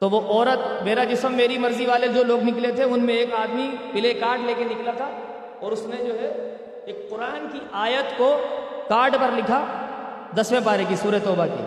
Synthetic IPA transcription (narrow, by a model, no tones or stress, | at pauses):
t̪oʋoʔɔːɾət̪meːɾad͡ʒɪsəmːeːɾimɐɾziʋaːled͡ʒoːloːɡnɪklet̪ʰeʊnmẽeːkaːd̪mipɪlekaːɾɖleːkenɪklat̪ʰa | ɔːɾʊsned͡ʒoːɦɛ | eːk̚qʊɾaːnkiʔaːjət̪kokaːɾɖpɐɾlɪkʰa | d̪ɐsʋepaːɾekisuːɾəjt̪ɔːbakḭː